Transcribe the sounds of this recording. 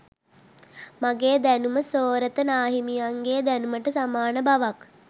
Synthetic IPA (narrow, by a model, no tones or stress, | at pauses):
maɡeːd̪ænuməsoːɾət̪ənaːɦimijaŋɡeːd̪ænuməʈəsamaːnəbaʋak